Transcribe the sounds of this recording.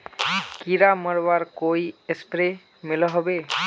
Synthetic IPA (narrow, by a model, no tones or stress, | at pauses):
kiɾaməɾbaɾkoiespɾe | milɔɦɔbe